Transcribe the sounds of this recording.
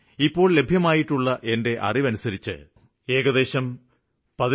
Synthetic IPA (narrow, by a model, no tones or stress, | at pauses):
ipːo̞ːɭle̞bʱjɐmaːjiʈːuɭːɐʔe̞nde̞ʔɐ̰riʋɐnusɐɾit͡ɕːɨ̰ | e̞ːɣɐðe̞ːɕɐm | pɐð